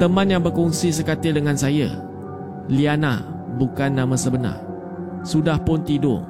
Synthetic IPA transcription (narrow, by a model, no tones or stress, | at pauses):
t̪əmãnjaŋbərkɔŋsis̬əkat̪ɪdəŋãnsaja̰ | liana̰ | bukanːãmãsəbəna̰r | sudahpʊnt̪idʊ̰ʔ